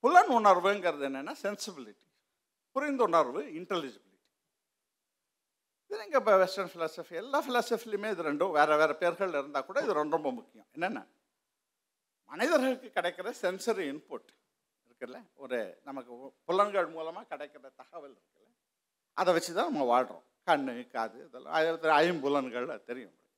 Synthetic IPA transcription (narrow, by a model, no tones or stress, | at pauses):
pʊlɐnʊɳɐɾʋɯɛŋɡɐɾɐðɯɛnːɛnːaːsɛnsɪbɪlɪʈːi̥ | pʊɾɪnd̪ʊnɐɾʋɯɪɳʈɛlɪd͡ʒɐbɪlɪʈːi̥ | ɪðɯniŋɡɐpʋɛsʈɐnfɪlaːsɐfiɛlːaːfɪlaːsɐfilmeːɪðɯɾɛɳɖɯ̃ʋeːɾɛʋeːɾɛpeːɾɣɐɭːɪɾɯnd̪aːkːuːɽɐɪðɯɾɔɳɖɾɔmbɐmʊkːɪjʊ̰̃ɛnːɛnːa̰ː | mɐnɐɪðɐɾɣɐɭkːɯkːɪɽɛɪkːɪɾɐsɛnsɐɾiɪnpoːʈː | ɪɾɯkːɐɐlɛɔɾɯnɐmɐkːɯpʊlɐnɡɐɭmuːlɐmaːkɪɽɛɪkːɐɾɐt̪ɐɣɐʋɪlɪɾɯkːɐlɐ | ʔɐ̰ðɛʋɐt͡ʃːɯt̪ãːnɐmːɐʋaːɻɾõ̰kɐɳːɯkaːðɯɐðɛlːã̰ɾt̪ːɐjɪmbʊlɐnɡɐɭɐ̰t̪ɛɾɪjʊ̰̃